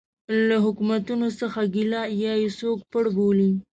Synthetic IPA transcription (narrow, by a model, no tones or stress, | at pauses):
laɦʊkumat̪unosəxaɡilɑjɑjesok̚pəɽboli